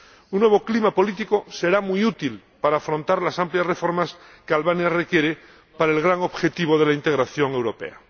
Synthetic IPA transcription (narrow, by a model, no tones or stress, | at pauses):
unːwe̞β̞o̞klimapo̞lit̪ikose̞ɾamujut̪il | paɾaːfɾõnt̪aɾlasampljasre̞fo̞ɾmaskealβanjare̞kje̞ɾe | paɾaelɣɾaŋo̞βxe̞t̪iβ̞oðe̞laint̪e̞ɣ̞ɾaθjo̞ŋe̞wɾo̞pe̞̰a̰